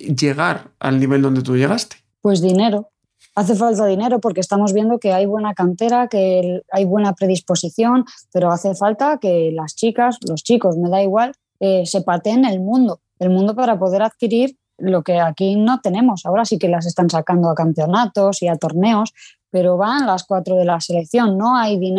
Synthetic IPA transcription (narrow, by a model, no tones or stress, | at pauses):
ʝe̞ɣ̞aɾa̰lniβeld̪o̞nd̪e̞t̪uje̞ɣast̪e̥ | pwe̞zðine̞ɾo̞ | aθe̞falt̪aðine̞ɾo̞po̞ɾkest̪amo̞zβje̞nd̪o̞ke̞ajβwe̞nakant̪e̞ɾake̞ajβwe̞napɾe̞ð̞ispo̞siθjo̞npe̞ɾo̞aθe̞falt̪ake̞last͡ʃikaslo̞st͡ʃiko̞sme̞ðaiɣ̞wal | ese̞pat̪e̞ne̞lmũnd̪o̞ | e̞lmũnd̪o̞paɾapo̞ðe̞ɾaðkiɾiɾ | lo̞ke̞akino̞t̪e̞nẽ̞mo̞sao̞ɾasike̞las̬e̞st̪ansakand̪oakampeo̞nat̪o̞siat̪o̞ɾne̞o̞s | pe̞ɾo̞βanlaskwat̪ɾo̞ð̞e̞lase̞le̞kθjo̞nːo̞ajðin